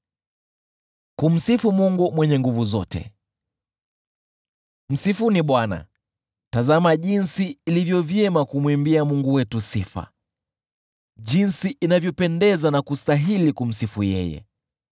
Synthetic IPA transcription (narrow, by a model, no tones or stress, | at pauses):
kum̩sifumuŋɡumwɛɲɛŋɡuvuzɔ̰tɛ̰ | m̩sifuniɓwana̰ | tazamaʄinsiːlivjɔvjɛmakumwimbiamuŋɡuwɛtusḭfa̰ | ʄinsiʔinavjɔpɛndɛzanakustaɦilikum̩sifujɛ̰jɛ̰